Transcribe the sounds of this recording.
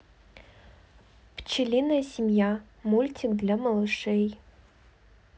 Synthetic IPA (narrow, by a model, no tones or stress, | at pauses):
pʰt͡ʃɪlʲinɐjɐsʲimja | mulʲtʰʲikd̪lʲamɐlˠɨʂej